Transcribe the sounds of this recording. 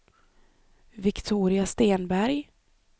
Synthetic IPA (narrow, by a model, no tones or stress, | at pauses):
vɪkt̪ʰuːɾɪast̪eːnbæɾj